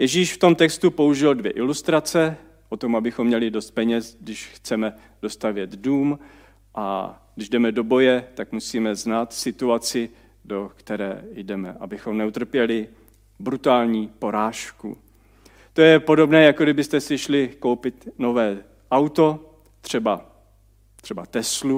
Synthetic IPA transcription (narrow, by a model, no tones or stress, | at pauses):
jɛʒiːʃft̪o̞mt̪ɛkst̪upo̞uʒɪldvjɛʔɪlust̪ɾat͡sɛ | ʔo̞t̪o̞mabɪxomːɲɛlɪdo̞st̪̚pɛɲɛsɡdɪʃxt͡sɛmɛ | d̥o̞st̪avjɛd̪duːm | ʔa̰ɡdɪʒdɛmɛdo̞bo̞jɛt̪akmusiːmɛznaːt̪sɪt̪uat͡sɪ | do̞kt̪ɛɾɛ̰ːjdɛmɛ̰ʔa̰bɪxo̞mnɛut̪r̩pjɛlɪ | bɾut̪aːlɲiːpo̞ɾaːʃkṵ | t̪o̞jɛpo̞do̞bnɛːjakodɪbɪst̪ɛsɪʃlɪko̞wpɪt̪no̞vɛː | ʔawt̪o̞ | t̪r̝̥ɛba | t̪r̥ɛbat̪ɛslu